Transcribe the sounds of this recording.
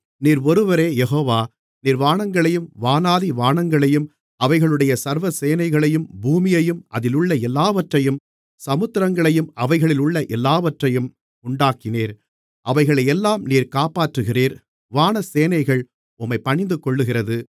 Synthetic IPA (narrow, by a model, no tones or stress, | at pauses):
niːɾɔɾɯʋɐɾeːjɛɦoːʋaː | niːɾʋaːɳɐŋɡɐɭɐjɯmʋaːnaːðiʋaːɳɐŋɡɐɭɐjɯm | ɐʋɐɪɣɐɭɯɽɐjɐsɐɾʋɐseːnɐɪɣɐɭɐjɯmbuːmɪjɐjɯmʔɐ̰ðɪlʊɭːɐɛlːaːʋɐʈrɐjɯm | sɐmɯt̪ːɪɾɐŋɡɐɭɐjɯmɐʋɐɪɣɐɭɪlʊɭːɐʔɛlːaːʋɐʈrɐjɯm | ʊɳɖaːkɪneːɾ | ʔɐʋɐɪɣɐɭɐɛlːaːmniːɾkaːpaːʈrɯɣɪriːɾ | ʋaːɳɐseːnɐɪɣɐɭ | ʊmːɐɪpɐɳɪnd̪ɯkɔɭːɯɣɪɾrɐðɯ